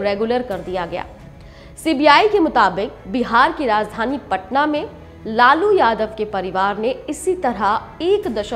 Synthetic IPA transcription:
ɾeːɡʊləɾkɐɾd̪ijaɡɐja̰ː | siːbiaːikemʊt̪aːbɪk̚bɪɦaːɾkiɾaːzd̪ʱaːnipɐʈnamẽ | laːlujaːd̪əʋkepɐɾɪʋaːɾneɪsit̪ɐɾa | eːkd̪ɐʃə

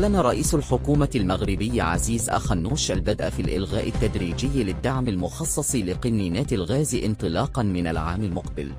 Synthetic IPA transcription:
aʕlːanaɾˤɑʔiːsalħʊkuːmalmaɣɾɪbɪjːʕa̰ziːzʔa̰xanːuːʃʔalbad̪ʔafilʔɪ̰lɣaːʔɪt̪ːad̪ɾiːd͡ʒɪjːlɪd̪ːaʕmalmʊxɑsˤːɑsˤlɪqɪnːiːnaːt̪alɣaːzʔɪnt̪ˤɨlɑːqɑnmɪnalʕaːmalmʊqbɪl

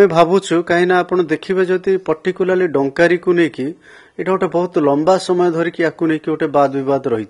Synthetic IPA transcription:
mebʱabut͡ʃʰukaɦinaːpɔɽ̃ɔd̪ekʰibed͡ʒɔt̪ipɔɾʈikulaɾliɖɔŋkaɾikuneki | eʈʰaoʈebɔɦut̪ɔlɔmbasɔmɔjɔd̪ʱɔɾikiakunekioʈebad̪bibad̪ɔɾɔɦit̪t͡ʃ̪ʰi̥

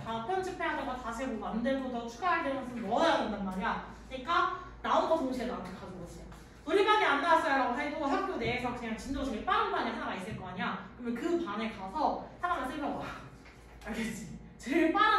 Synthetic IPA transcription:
kapʰjʌnd͡ʑʰɯpʰe̞ɦadaɡatasʰeɡomandɯɭbodʌt͡ɕʰuɡaɦaɭdemʌsʰɯnmʌʌadondanmaɾiakkɯɲik͈a | naonɡʌtoŋɕʰiedoakʰekaɡoʌɕʰeo | noɾiɡaɡeandas͈ʌjjɾaɡoɦe̞doɦak̚k͈ʰjone̞ːsʰʌkɯɲaŋt͡ɕind͡ʑʌt͡ɕʰʌip͈aɾɯnbanesʰaɡais͈ɯɭk͈ʌaɲiakɯɾmʌnkɯpanekasʰʌsʰaɡad͡ʑas͈ʰɯɭmʰʌwa | aɭdet͡ɕ͈i | t͡ɕep͈aɾa

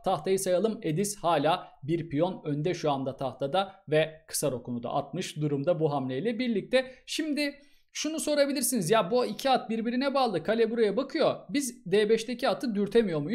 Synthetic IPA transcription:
t̪ʰaht̪ʰajɯsajalˠɯme̞d̪ishaːlʲaːbiɾpijo̞nø̞nd̪ɛʃuand̪at̪ʰaht̪ʰad̪avɛkʰɯ̥saɾo̞kʰunud̪a̰ʔa̰t̪̚mɯʃd̪uɾumd̪abuɦamlʲejlʲɛbiɾlʲic̚t̪ʰɛʃimd̪ɪ | ʃunuso̞ɾabilʲiɾsinizjaːbuicʰiat̪̚biɾbiɾinɛbaːlˠɯkʰalʲebuɾajabakʰɯjo̞bizd̪eːbɛʃt̪e̞cʰiat̪ʰɯd̪yɾt̪ʰemijo̞ɾmu

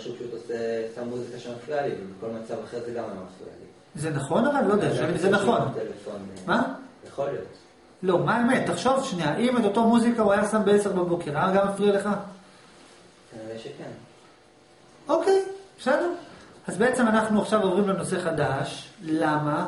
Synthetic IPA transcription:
aʃupaʃut̪osesammːuzikaʃemaflialivebeko̞lmat͡savaχeʁzeɡamalomaflḭa̰lḭ | zenaχo̞navallod̪eaezenaχo̞nt̪elefonmajeχo̞lijo̰t̪ | lo̞maemetːaχʃo̞vʃniaʔime̞t̪o̞tomuzikauajasambeeseʁbabo̞ke̞ʁaaɡamːafliale̞χa | kaniʁeʃeken | o̞ke̞jʃanuazbee̞t͡se̞manaχnuaχʃavo̞vʁimleno̞se̞χadaʃlama

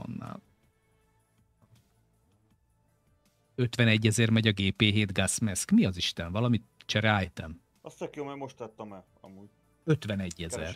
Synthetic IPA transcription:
ɒ̰nːa̰ːl | ø̞t̪ʋɛnɛɟːɛzɛrmɛɟɒɡeːpeːɦeːd̪ɡasmɛskmiɒziʃt̪ɛɱvɒlɒmit̪t͡ʃɛɾaːjt̪ɛm | ɒstɛkjoːmɛmoʃt̪lɛt̪ːɒmɛ | ɒ̰muːɟ | øt̪ʋɛnɛɟːɛzɛr

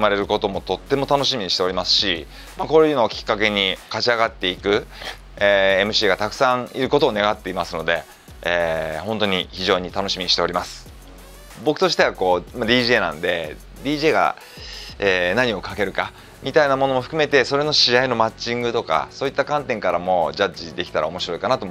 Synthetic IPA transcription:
ɯmaɾe̞ɾɯ̟ko̞t̪o̞mo̞t̪o̞t̪ːe̞mo̞t̪ano̞ɕimʲiɲ̟iɕit̪e̞o̞ɾʲimasɨ̥ɕi | mako̞ːɾjɯno̞kʲi̥kːake̞ɲ̟ikat͡ɕiaɡat̪ːe̞ikɯ̟ | eːe̞mɯ̟ɕiːɡat̪akɯ̟̥sãŋ̃iɾɯ̟ko̞t̪o̞ːne̞ɡat̪ːe̞imasɨno̞d̪e̞ | eːhõ̞nt̪o̞ɲ̟içiʑo̞ːɲ̟it̪ano̞ɕimiɲ̟iɕi̥t̪e̞o̞ɾʲimasɨ̥ | bo̞kɯ̟t̪o̞ɕi̥t̪e̞βako̞ːmad̪ʲiːʑe̞ːnã̰nd̪e̞ | d̪ʲiːʑe̞ːɡa̰ | eːnaɲ̟io̞kake̞ɾɯ̟ka | mʲit̪ainamo̞no̞mo̞ɸɯ̟kɯ̟me̞t̪e̞so̞ɾe̞no̞ɕiaino̞mat͡ɕːĩŋɡɯ̟t̪o̞ka̰so̞ːit̪ːakãnt̪ẽŋkaɾamo̞ʑaʑid̪e̞kʲi̥t̪aɾʔa̰o̞mo̞ɕiɾo̞ikanat̪om

